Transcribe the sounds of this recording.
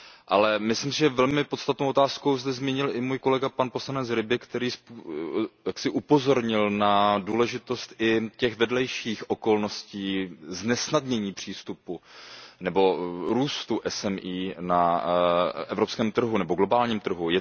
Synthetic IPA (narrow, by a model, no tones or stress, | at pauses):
ʔalɛmɪslimsɪʒɛvɛlmɪpot̪st̪at̪nowʔot̪aːsko̞wzd̪ɛzmiɲɪlʔɪmuːjko̞lɛɡapanpo̞slanɛt͡sɾɪbɪkt̪ɛɾiːspujaksɪʔupo̞zo̞ɾɲɪlnaduːlɛʒɪt̪o̞st̪ʔɪcɛxvɛdlɛjʃiːxʔoko̞lno̞sciːznɛsnadɲɛɲiːpr̝̥iːst̪upunɛbo̞ɾuːst̪uʔɛsɛmʔiːna | ɛvɾo̞pskɛːmt̪r̩ɦunɛbo̞ɡlo̞baːlɲiːmt̪r̩ɦujɛ